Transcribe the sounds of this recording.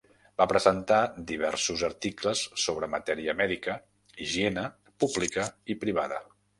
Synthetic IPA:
bapɾəzənt̪ad̪iβ̞ɛ̰ɾsuzərt̪ikləsːoβɾəmət̪ɛɾiəmɛðikə | iʒiɛnə | publikəipɾiβ̞aðə̰

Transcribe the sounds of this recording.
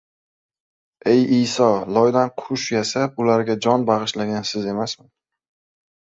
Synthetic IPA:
e̞jɪjsɒlɒjd̪anqʰʊʃjasapʊlaɾɡʲad͡ʒɒnbɑʁɨʃlaɡʲansɪze̞masmɪn

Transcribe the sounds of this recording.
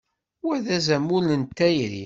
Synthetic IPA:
wæðæzæmulənt̪ːæjɾḭ

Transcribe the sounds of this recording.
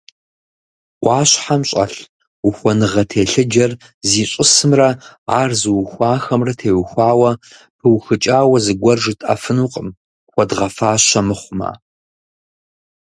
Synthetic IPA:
qʷʼɑːɕħamɕʼɐ̰ɬ | uxʷɔnɨʁɐtʰeːɬɨd͡ʒɐr | ziːɕʼɪsɨmrɐaːrzɨwxʷaːxɐmrɐtʰeːwxʷɑːwɐ | pʰɨwxɨt͡ʃʼaːwɐzɨɡʷɔrʒɨtʼɐ̰fɨnuːqʼəm | xʷɔdʁɐfaːɕɐmɨχʷʊma̰ː

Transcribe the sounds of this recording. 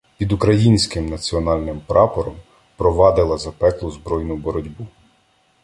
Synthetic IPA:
pʲid̪ukɾɐjinʲsʲkɪmnɐt͡sʲiɔnɑlʲnɪmpɾʔɑpɔɾɔm | pɾɔʋɑd̪ɪlˠɐzɐpɛklˠʊzbɾɔjnʊbɔɾɔdʲbu

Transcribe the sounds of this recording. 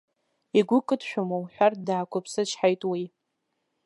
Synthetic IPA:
iɡʷʊkʼɨdʃʷᶣʊmowħʷᶣardaːkʷʰapʰsɨʃħajtʼwij

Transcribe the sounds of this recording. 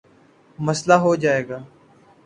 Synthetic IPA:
məslaːɦoːd͡ʒaːeːɡaː

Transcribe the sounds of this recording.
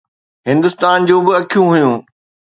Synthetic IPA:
ɦɪ̃nd̪ʊst̪aːnd͡ʑõːbɪɐkʰijũɦʊjũː

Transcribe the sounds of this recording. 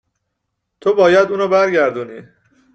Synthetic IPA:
t̪ʰobɒːjæd̪uːnɔːbæɾɟæɾd̪uːnḭː

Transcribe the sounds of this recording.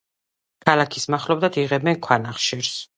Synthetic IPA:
kʰalˠakʰismaχlɔbd̪ad̪iʁɛbɛnkʰwanaχʃiɾs

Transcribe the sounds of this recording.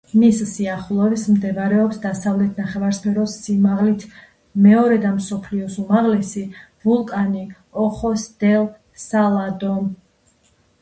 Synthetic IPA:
missiaχlˠɔɛbsmd̪ɛvaɾɛɔpsd̪asavlɛt̪ʰnaχɛvaɾspʰɛɾɔsːimaʁlit̪ʰ | mɛɔɾɛd̪amsɔpʰliɔsumaʁlɛsivulˠkʼani | ɔχɔsd̪̥ɛl | salˠad̪ɔm

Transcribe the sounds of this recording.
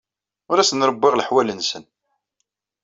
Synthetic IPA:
ʊɾæsənɾˤəbːɪʁləħwælənsən

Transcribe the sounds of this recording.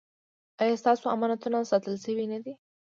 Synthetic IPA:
ɑjɑst̪ɑsoamɑnat̪unasɑt̪əlʃəwinad̪i

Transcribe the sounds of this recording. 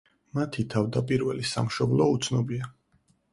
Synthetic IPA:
mat̪ʰit̪ʰavd̪apʼiɾvɛlisa̰mʃɔblˠɔut̪sʰnɔbia

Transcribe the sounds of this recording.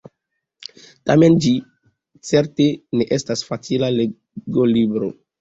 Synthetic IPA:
tame̞nd͡ʒi | t͡se̞ɾte̞ne̞ʔe̞stasfat͡silale | ɡolibɾo̰

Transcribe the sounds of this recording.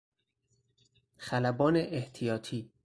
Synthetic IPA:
xælæbɒːneʔeht̪ʰijɒːt̪ʰiː

